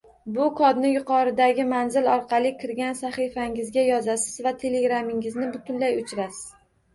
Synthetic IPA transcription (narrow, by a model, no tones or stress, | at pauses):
bʊkʰɒd̪nɪjʊqʰɒɾɪd̪aɡʲɪmanzɪlɒɾqʰɑlˠɪkʲʰɪɾɡʲansaχifaŋɪzɡʲajɒzasɪzvat̪ʰe̞leɡɾamɪŋɪznɪbʊt̪ʰʊnlajʊt͡ʃʰɾasɪ̥z̥